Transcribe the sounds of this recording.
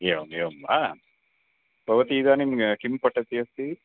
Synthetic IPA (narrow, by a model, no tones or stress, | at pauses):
eʋɐmeʋɐmaː | bʱɐʋɐt̪iːd̪aːnimɡɐkimpɐʈːɐt̪ːiɐst̪i